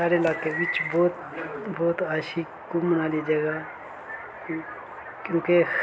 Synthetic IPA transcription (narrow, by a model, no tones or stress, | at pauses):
aːɾeɪlaːkeʋɪt͡ʃbɔːt̪ | bɔːt̪aːʃi | kumənaːlid͡ʒɐɡa | kjõːke